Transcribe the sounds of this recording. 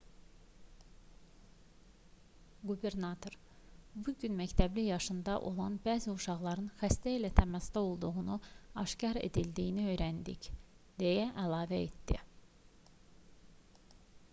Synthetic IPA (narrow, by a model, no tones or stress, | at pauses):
ɡube̞ɾnɑt̪ʰo̞ɾ | buɟynmæct̪ʰæblijɑʃɯnd̪ɑʔo̞lˠɑnbæːziuʃɑʁlˠɑɾɯnxæst̪æilæt̪ʰæmæst̪ɑo̞lˠd̪uɣunuɑʃcɑɾe̞̰d̪ild̪ijiniø̞jɾænd̪ic | d̪e̞jæʔælˠɑːvæet̪d̪ḭ